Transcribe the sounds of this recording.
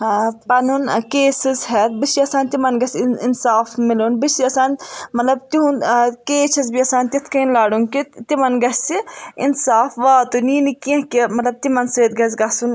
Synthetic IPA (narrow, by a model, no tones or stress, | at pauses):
pɐnunkeːsizɦɛt̪̚bisiɐsaːnʲt̪imɐnɡɐsinsaːfmiluːnbisiɐsaːnmɐt̪lɐb̚t̪iɦũnkeːt͡ʃʰɐzbiɐsaːnʲt̪iɐt̪ʰkɐnlaːɽunkit̪imɐnɡɐssiḭnsaːfʋaːt̪uniːnikiɐ̃kimɐt̪lɐb̚t̪imɐnseːt̪ɡɐz̬ɡɐsun